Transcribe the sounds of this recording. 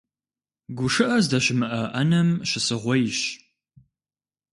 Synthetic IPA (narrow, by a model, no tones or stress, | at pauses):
ɡʷʊʂɨʔɐzdɐɕɪmɨʔɐʔɐnɐmɕɪsɨʁʷɔjɕ